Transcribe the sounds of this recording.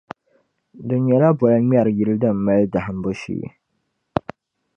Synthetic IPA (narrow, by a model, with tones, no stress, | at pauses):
dʊ˨ɲɛ˨la˦bɔ˨la˦m˦a˦˨ɾji˨lɨ˦dɨ˦˨m̩˨ma˦lda˨hɨ˨m̩˦bʊ˦ʃḭː˦˨